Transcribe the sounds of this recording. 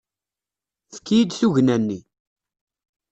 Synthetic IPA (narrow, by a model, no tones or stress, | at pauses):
θəkːijid̪θuʝnænːi